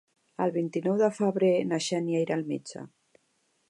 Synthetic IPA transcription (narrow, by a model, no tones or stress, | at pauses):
əlˠβint̪inɔwðəfəβɾenaʃɛniajɾalmed͡ʒə̰